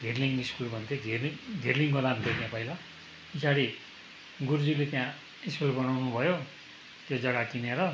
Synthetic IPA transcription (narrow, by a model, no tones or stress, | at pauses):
ɡʱerliŋiskulbʱʌnt̪ʰoɡʱeiɡʱerliŋkolanũnt̪ʰet̪jãpʌila | isaɽi | ɡurd͡zulet̪jã | iskulbʌnawnubʱʌjo | k̪jod͡zʌɽakineɾʌ